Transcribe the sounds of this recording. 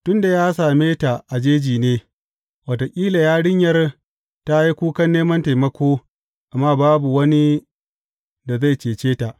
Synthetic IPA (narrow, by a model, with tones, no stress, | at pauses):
tʊ˦nda˨jaː˦saː˨meː˦ta˨ʔa˨d͡ʒeː˦d͡ʒiː˨neː˦ | wa˨to˨kʲʼiː˦la˨jaː˦ɽɪ˦ɲjɐ˦r | ta˦ji˦kʷuː˦kɐ˦nːeː˦mɐ˦nta˨jmɐ˦kʷoː˦ | ʔa˨mːaː˦baː˦bu˨wɐ˦ni˦ | da˨za˦˨jt͡ʃeː˨t͡ʃeː˦ta˨ʔ